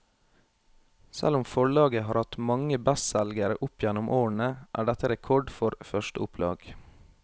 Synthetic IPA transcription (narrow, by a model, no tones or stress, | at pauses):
sæ̰lʊmfɔɭɑːɡəɦɑːɾhɑt̪mɑŋəbɛssɛlɡəɾə̰ʔʊpjɛnʊmʔoːɳəʔæ̰ːɖɛt̪əɾɛkʰɔɖfɔɾfœʃtəʊpʰlɑ̰ːɡ